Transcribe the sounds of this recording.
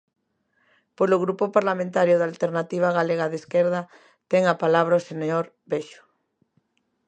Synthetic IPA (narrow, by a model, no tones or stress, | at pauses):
poloɣɾupopaɾlamẽnt̪aɾjoðalt̪eɾnat̪iβ̞aɣaleɣaðeskeɾða | t̪ɛŋapalaβ̞ɾaoseɲoɾ | beʃo̥